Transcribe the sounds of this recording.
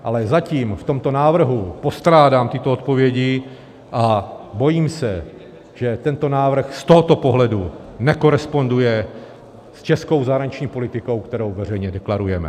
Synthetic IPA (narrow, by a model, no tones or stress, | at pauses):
ʔalɛzaciːmft̪o̞mt̪o̞naːvr̩ɦupo̞st̪ɾaːdaːmt̪ɪt̪oot̪̚po̞vjɛɟɪ | ʔabo̞jiːmsɛ | ʒɛt̪ɛnt̪o̞naːvr̩xst̪o̞ɦot̪o̞po̞ɦlɛdunɛko̞ɾɛspo̞ndujɛ | st͡ʃɛsko̞wzaɦɾaɲɪt͡ʃɲiːpo̞lɪt̪ɪko̞wkt̪ɛɾo̞wvɛrɛjɲɛdɛklaɾujɛmɛ̰